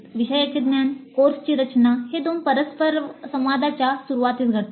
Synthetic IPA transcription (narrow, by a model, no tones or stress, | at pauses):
ʋiɕəjat͡ɕed̪mjankoɾst͡ɕiːɾət͡ɕnaɦed̪onpəɾəspəɾsə̃mʋad̪ʱat͡ɕjasuɾuʋat̪iːsɡʱət̪